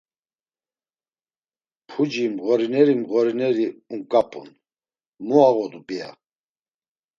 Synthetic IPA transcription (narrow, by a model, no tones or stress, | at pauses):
pʰud͡ʒimɣɔɾinɛɾimɣɔɾinɛɾiuŋkʼapʼṵn | muaɣɔd̪upʼia̰